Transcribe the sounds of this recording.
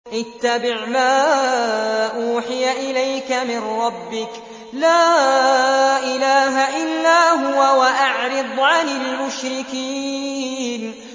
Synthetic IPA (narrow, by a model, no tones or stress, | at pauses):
ʔɪt̪ːabɪʕmaː | ʔuːħɪjaʔɪlajkamɪnɾˤɑbːɪk | laː | ʔɪlaːɦaʔɪlːaːɦʊwawaʔaʕɾɨd̪ˤʕanɪlmʊʃɾɪkiː | n